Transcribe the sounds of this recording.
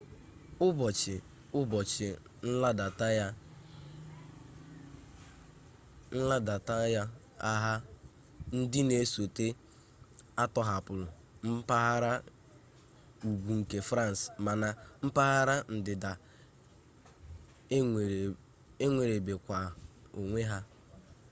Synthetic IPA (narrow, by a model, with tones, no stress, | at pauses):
ʊ˦bɔ˨t͡ʃɪ˨ | ʊ˦bɔ˨t͡ʃɪ˨ | n̩˦la˦da˨ta˦ja˦ | n̩˦la˦da˨ta˦ja˦ | a˦ɦa˦ | n̩˦dɪ˦ne˨˦so˨te˦ | a˦tɔ˦ɦa˨pʊ˦˨lʊ˨ | m̩˦pa˦ɦa˦ɾa˦ | u˨ɡʷu˨ŋ̩˨ke˨fɾa˦˨n˨sma˨na˨m̩˦pa˦ɦa˦ɾa˦n̩˨dɪ˨da˨ | e˦ŋʷe˨ɾe˨be˨kʷa˨o˨ŋʷe˦ɦa˦